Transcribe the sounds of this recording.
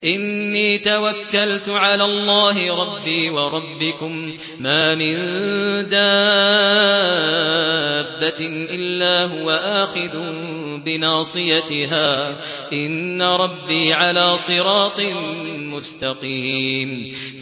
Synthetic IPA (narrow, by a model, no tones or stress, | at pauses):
ʔɪnːiːt̪awakːalt̪ʊʕalaːlˤːaːɦɪɾˤɑbːiːwɑɾˤɑbːɪkʊmː | aːmɪnd̪aː | bːaʔɪlːaːɦʊwaʔaːxɪd̪uː | bɪnɑːsˤɨjat̪ɪɦaː | ʔɪnːaɾˤɑbːiːʕalaːsˤɨɾɑːt̪ˤɨmʊst̪ɑqiːn